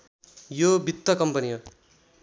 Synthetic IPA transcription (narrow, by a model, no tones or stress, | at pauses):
jobʱit̪ːʌkʌmpʌniʌ